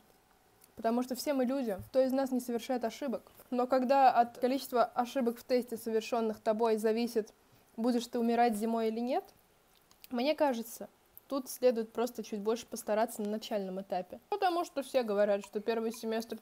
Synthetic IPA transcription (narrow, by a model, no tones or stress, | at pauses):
pət̪ɐmuʂt̪ofsʲe̞mɨlʲudʲɪt̪oɪznasnʲɪsəvʲɪrʂajɪt̪ɐʂɨbəkno̞kɐɡd̪aɐt̪kɐlʲit͡ɕɪ̥st̪vəʔɐʂɨbəkft̪esʲtʲɪsəvʲɪrʂo̞nːɨxt̪ɐbo̞jzɐvʲisʲɪt̪ | budʲɪʂt̪ɨʊmʲɪɾatʲzʲɪmo̞jilʲɪnʲe̞t̪ | mnʲe̞kaʐɨt̪sə | t̪ut̪sʲlʲe̞d̪ʊjɪt̪̚pɾo̞st̪ət͡ɕud̚ʲbo̞lʲʂɨ̥pəst̪ɐɾat̪sənənɐt͡ɕælʲnəmɨt̪apʲɪpət̪ɐmuʂt̪ofsʲe̞ɡəvɐɾʲat̪ʂt̪o̞pʲe̞rvɨjsʲɪmʲe̞st̪r